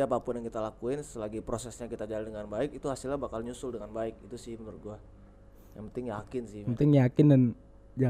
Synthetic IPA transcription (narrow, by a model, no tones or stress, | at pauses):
apapʊnjaŋkit̪alakuɪnsəlaɡipɾosɛsɲakit̪ad͡ʒaladəŋanbaɪkit̪uhasɪlɲabakalɲusʊldəŋanbaɪkit̪usɪhmərɡua | jaŋpənt̪ɪŋjakɪnsɪhpənt̪ɪŋjakɪndan | d͡ʒa